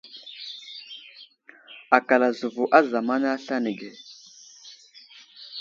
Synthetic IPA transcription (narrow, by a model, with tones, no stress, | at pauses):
a˨ka˨la˨zu˨vu˨ʔa˦za˨ma˦n˦a˦ɬa˦ni˨ɡɛ˨